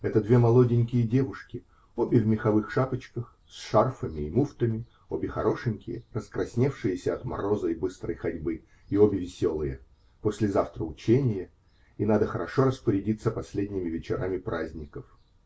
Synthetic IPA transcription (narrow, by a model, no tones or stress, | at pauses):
ɛt̪əd̪vʲe̞mɐlˠo̞dʲɪnʲkʲɪjədʲe̞vʊʂkʲɪ | obʲɪvmʲɪxɐvɨxʂapət͡ɕkəx | sʂarfəmʲɪːmuft̪əmʲɪ | obʲɪxɐ̰ɾo̞ʂɨnʲkʲɪjə̰rəskɾʔɐsʲnʲefʂɨjɪsʲəɐt̪mɐ̰ɾo̞zəjbɨst̪ɾə̰jxɐdʲbɨ | iobʲɪvʲɪsʲo̞lˠɨjə | posʲlʲɪzaft̪ɾəʊt͡ɕenʲɪjə | inad̪əxəɾɐʂo̞ɾəspəɾʲɪdʲit̪səpɐsʲlʲedʲnʲɪmʲɪvʲɪt͡ɕɪɾamʲɪpɾʔazʲnʲɪkəf